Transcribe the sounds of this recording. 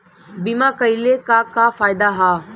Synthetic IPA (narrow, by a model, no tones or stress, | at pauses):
bimaːkəilekakafaːjd̪aɦaː